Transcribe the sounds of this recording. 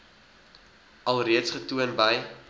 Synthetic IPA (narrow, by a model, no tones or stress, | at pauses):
ʔɐlˠriətsχətuənbəj